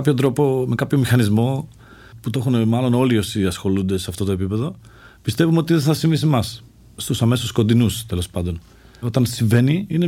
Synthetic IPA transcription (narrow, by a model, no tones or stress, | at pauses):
pçot̪ɾo̞po̞me̞kɐpço̞mixɐnizmo̞ | put̪o̞xunemɐlo̞no̞lio̞siɐsxo̞lund̪e̞seɐft̪o̞t̪o̞epipe̞ðo̞ | pist̪e̞vumo̞t̪iðenθɐsiɱvisimɐs | sːt̪usɐme̞susko̞nd̪inust̪e̞lo̞spɐnd̪o̞n | o̞t̪ɐnsiɱve̞niine